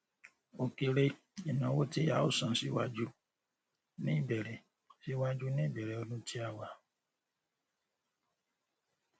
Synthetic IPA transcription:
o˨ke˨ɾe˦ | i˨nã˨wo˦te˦a˨˦o˦sɔ̃˨si˦wa˦d͡ʒu˦ | nĩ˦˨bɛ˨ɾɛ˨ | si˦wa˦d͡ʒu˦nĩ˦bɛ˨ɾe˨o˦nũ˦ti˦a˦˨wa˨

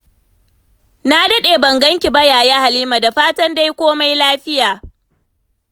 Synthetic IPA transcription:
na˦dɐ˦ɗeː˨bɐ˨ŋɡɐ˦ŋkʲi˨bɐ˦jaː˨jaː˦ha˨liː˦ma˨da˨ɸaː˦tɐ˦nda˦jkʷoː˦ma˦jlaː˦ɸɪ˦jaː˨

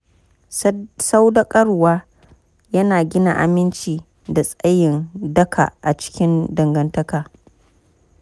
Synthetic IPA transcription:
sa˦wdɐ˦kʼɐ˦ɽwaː˦ | jɐ˦naː˨ɡʲɪ˦na̰˨ʔa̰˨mɪ˦nt͡ʃiː˨ | da˨sʼɐ˦jɪ˨ndɐ˦kʰa̰˨ʔa˨t͡ʃɪ̥˦kʲɪ˦ndɐ˨ŋɡɐ˦ntɐ˦kaː˨

